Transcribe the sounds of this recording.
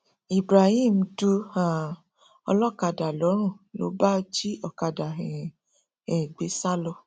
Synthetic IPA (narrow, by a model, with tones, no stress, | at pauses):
i˨bɾa˨hĩ˦˨m̩˧du˧a˨ | ɔ̰˧lɔ˦˨ka˧da˨lɔ˨˦ɾ̃ũ˦˨lo̰˨˦ba˦d͡ʒi˦ɔ˦˨ka˧da˨ɦɛ˨ | ɛ˨ɡ͡be˨˦sa˦lɔ˧